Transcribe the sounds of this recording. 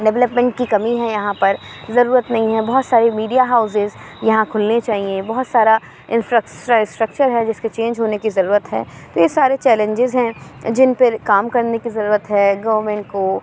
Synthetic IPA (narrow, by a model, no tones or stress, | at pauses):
ɖɛʋləpmɛ̃ɳʈ̚kikɐmiɦɛjɐɦãpɐɾzɐɾuːɾət̪nɐɦĩɦɛ̃bɔɦɔt̪saːɾemiːɖijaɦaːʊs̬ɪz | jɐɦãkʰʊlnet͡ʃaːɦiẽbɔɦʊt̪saːɾa | ɪ̃nfɾasʈasʈɾɐk̚t͡ʃəɾɦɛd͡ʒɪsket͡ʃẽːɲd͡ʒɦoːnekizɐɾuːɾət̪ɦɛ̰ː | t̪ojesaːɾet͡ʃɛːlẽɲd͡ʒɪzɦɛ̃ | d͡ʒɪnpɪɾkaːmkɐɾnekizɐɾuːɾət̪ɦɛːɡɐʋɾmɛ̃ːɳʈ̚koː